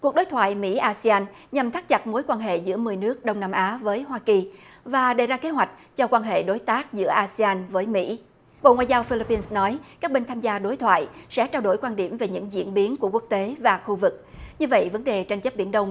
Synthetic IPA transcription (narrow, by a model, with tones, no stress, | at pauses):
kwu˨˩ək̚ɗo˨˦jt̪ʰwa̰ː˧˨jmḭ˧˥ʔaː˧si˧aː˧n | ɲə˨˩mt̪ʰa˦˥k̚t͡ɕa˨˩t̚mo˨˦jkwaː˧nɦḛ˧˨zɨ̰˧˥əmɨ˨˩əjnɨ˦˥ək̚ɗə˧wŋ͡mnaː˧mʔaː˨˦vəː˨˦jɦwaː˧ki˨˩vaː˨˩ɗə˨˩jzaː˧ke˨˦ɦwa˨˩jk̟̚t͡ɕɔ˧kwaː˧nɦḛ˧˨ɗo˨˦jt̪aː˦˥k̚zɨ̰˧˥əʔaː˧si˧aː˧nvəː˨˦jmḭ˧˥ | ɓo̰˧˨ŋwa̰ː˧˨jzaː˧wfi˧li˧˥pːi˧nsnɔ˨˦jkaː˦˥k̚ɓï˧ŋ̟t̪ʰaː˧mzaː˧ɗo˨˦jt̪ʰwa̰ː˧˨jsɛ̰˧˥t͡ɕaː˧wɗo˧˩jkwaː˧nɗi˧˩əmve˨˩ɲɨ̰˧˥ŋzḭ˧˥ənɓi˨˦nku˧˩əku˦˥ək̚t̪e˨˦vaː˨˩xu˧vɨ˨˩k̚ɲɨ˧və̰˧˨jvə˨˦nɗe˨˩t͡ɕa˧jŋ̟t͡ɕə˦˥p̚ɓi˧ənɗə˧wŋ͡m